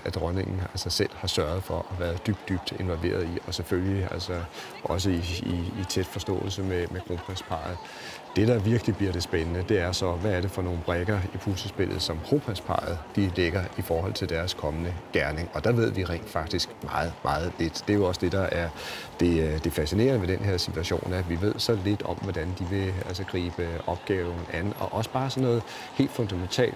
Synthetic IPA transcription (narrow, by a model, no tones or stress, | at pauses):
æd̥ʁɔne̝ŋ̰n̩ælsɒ̽sel̰hɑ̈sɶɐð̞̩ˠfɒ̽ʔæʋæːɐðˠd̥yb̥̚d̥yb̥d̥e̝nʋɒ̽lʋe̝̰ːɐð̞ˠiɒ̽seføliæl̰sɒ̽ | ʔɒ̽s̬əiiːt͡sʰed̥fɒ̽sd̥ɔ̰̽ːl̩səmemekʰʁo̝pʰʁænspʰɑ̰̈ð̩ˠ | d̥e̝ɾ̥ɑ̈ʋiɐɡ̥əlib̥liɐd̥e̝sb̥enənəd̥e̝æɐsɒ̽ʋæːɐɾe̝fɒ̽no̝ːn̩b̥ʁɛɡ̥ɐipʰulsəsb̥e̝l̰ð̩ˠsɒ̽mkʰʁopʰʁɛspʰɑ̰̈ːð̞̩ˠd̥ileɡ̥ɐifɒːhɒ̽l̰t͡sʰe̝ld̥æɐskʰɒ̽mənəɡ̥æɐne̝ŋɒ̽d̥ɑ̈ʋe̝ð̞̰ˠʋiʁɛ̰ɪ̰nd̥fɑ̈ɡ̥̚d̥isɡ̥mɑ̈ːð̞̩ˠmʔɑ̈ːð̞̩ˠle̝d̥d̥e̝jo̝ɒ̽səd̥e̝d̥ɑ̈ʔæɐd̥e̝d̥e̝fæsine̝̰ːɐnəmed̥enhe̝ɐ̰sit͡sʰuæɕo̝̰ːnæʋiʋe̝ð̞̰ˠsɒ̽le̝d̥ɒ̽mʋɒd̥ænd̥iʋe̝ælsəɡ̥ʁḭːb̥əɒ̽b̥ɡ̥ɛːʊn̩ænɒ̽ʔɒ̽sə̥b̥ɑ̈ːsɒ̽nːɔ̽ːð̩ˠ | he̝̰ːld̥fɔ̽nd̥æment͡sʰɛ̰ːld̥